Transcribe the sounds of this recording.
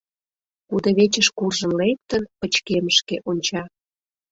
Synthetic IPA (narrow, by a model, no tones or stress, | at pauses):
kud̪ə̆βet͡ɕəʃkurʒə̆nlek̚t̪ənpə̆t͡ɕkeməʃkeʔonʲt͡ɕɑ